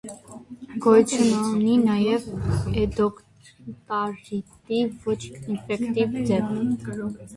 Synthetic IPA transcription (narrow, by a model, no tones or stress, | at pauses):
ɡ̥ɔjt͡sʰunɔninɑjɛvɛd̪ɔk | t̪ɑɾit̪ivɔt͡ʃʰinfɛkt̪ivd͡zɛp